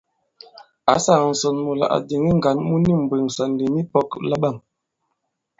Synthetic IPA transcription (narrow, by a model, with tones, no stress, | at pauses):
a˨˦sa˨n̩˨sɔ˨nmo˨la̰˨ʔa̰˨di˨ŋi˦ŋ˨ɡa˨˦nmu˦ni˦˨m̩˨bwe˨ŋsa˨n˨di˨ni˦pɔ˦kla˦ɓa˦˨m